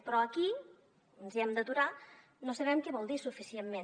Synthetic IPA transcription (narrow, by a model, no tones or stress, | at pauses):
pɾɔəki | ənziɛmd̪ət̪uɾa | nosəβɛmkɛβɔlˠd̪isufisiemmen